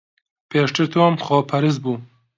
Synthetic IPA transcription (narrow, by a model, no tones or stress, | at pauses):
pʰeːʃt̪ʰɨɾt̪ʰoːmxɔːpʰɐɾɨz̚buː